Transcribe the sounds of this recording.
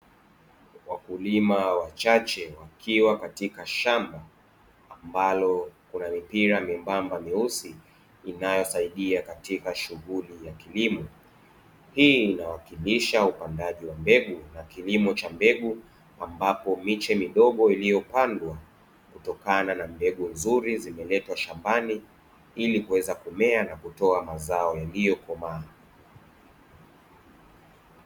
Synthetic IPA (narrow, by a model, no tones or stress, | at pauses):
wakulimawat͡ʃat͡ʃɛwakʰiwakatikaʃambaː | mbalɔkunamipiɾamimbambamiusiː | najɔsaiɗiakatikaʃuɣulijakilimɔ | hiːnawakiliʃaupandaʄiwambɛɠunakilimɔt͡ʃambɛɠu | ambapɔmit͡ʃɛmiɗɔɠɔilijɔpandwa | kutɔkananambɛɠunzuɾizimɛlɛtwaʃambani | ilikuwɛzakumɛanakutɔamazaɔjalijɔkɔmaː